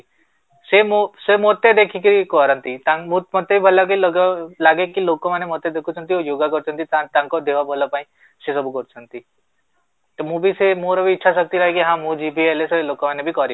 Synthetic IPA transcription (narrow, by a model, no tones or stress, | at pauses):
semosemot̪ed̪ekʰikiikɔɾənt̪it̪amũmɔt̪ebibʱəlak̬ilɔɡlaɡekilokomanemot̪ed̪ekʰut͡ʃʰənt̪iojoɡakɔɾt͡ʃʰənt̪it̪ãt̪ãŋkɔd̪eʋabʱɔlɔpaĩ | sesɔbukɔɾt͡ʃʰənt̪i | t̪ɔmũbʱisemoɾɔbʱiːʈːʃʰasɔk̚t̪iɾɔɦekiɦãmũd͡ʒibʱieleselokɔmanebʱikɔɾi